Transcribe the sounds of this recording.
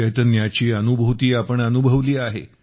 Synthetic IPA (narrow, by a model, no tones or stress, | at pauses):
ət̪ənjat͡ɕiːənubʱut̪iːapəɳənubʱəʋliːaɦḛ